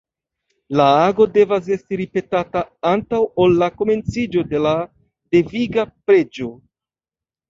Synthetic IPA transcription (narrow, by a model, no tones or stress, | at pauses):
laaɡo̞de̞vas̬e̞stiɾipe̞tataantawolːako̞me̞nt͡sid͡ʒo̞de̞la | deviɡapɾe̞d͡ʒo̞